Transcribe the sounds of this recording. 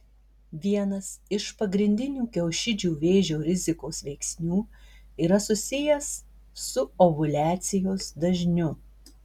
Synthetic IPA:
ʋʲiɛnɐsɪʃpɐɡɾʲɪnʲd̪ʲɪnʲuːkʲɛʊʃʲɪd͡ʒʲuːʋʲeːʒʲoːɾʲɪzʲɪkoːsʋʲɛɪksʲnʲuːiːɾɐsʊsʲɪjɛsː | ʊɔʋʊlʲæːt̪sʲɪjoːsd̪ɐʒʲnʲʊ

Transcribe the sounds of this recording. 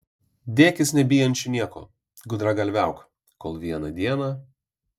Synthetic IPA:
d̪ʲeːkʲɪsnʲɛbʲɪjɛnʲt͡ʃʲʊnʲiɛko̰ː | ɡʊd̪ɾɐɡɐlʲʋʲæʊk | koːlˠʋʲiɛnɐd̪ʲiɛnɐ

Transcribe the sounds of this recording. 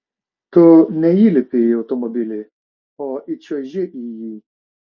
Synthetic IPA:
tonɛjilɪpɪotɔmɔbilɪ | ɔit͡ʃɔʒeʔiji

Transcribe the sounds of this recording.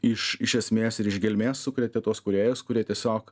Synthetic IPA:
ɪʃɪʃʲɛsʲmʲeːsɪɾɪʒɡʲɛlʲmʲeːssʊkɾʲɛt̪ʲɛt̪uɔskʊɾʲeːjʊskʊɾʲiɛt̪ʲiɛsʲoːk

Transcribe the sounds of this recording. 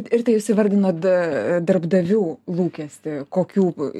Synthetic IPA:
ɪrt̪ɐɪɪʃʲsʲɪʋɐɾʲd̪ʲɪnoːd̪ɐɾbd̪ɐʋʲuːlˠuːkʲɛsʲt̪ʲɪkoːkʲuː

